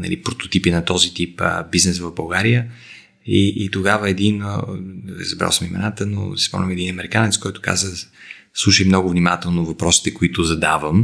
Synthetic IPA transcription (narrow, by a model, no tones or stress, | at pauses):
nɐ̰lipɾot̪o̥t̪ipinɐt̪ɔzit̪ipə̰biznɛsvɐvbɐlˠɡaɾijə | iʔːt̪oɡavəɛd̪in | ɾɛ̰zɐbɾa̰lˠsəmimɛ̰nat̪əno̰si̥spɔ̰mlʲɛmɛd̪inɐmɛɾikanɛt̪skɔjt̪ʊ̥ka̰zəslˠuʃəjmnɔɡʊvnimat̪ɛlˠnovɐpɾɔsi̥t̪ɛkoit̪ʊzɐd̪avəm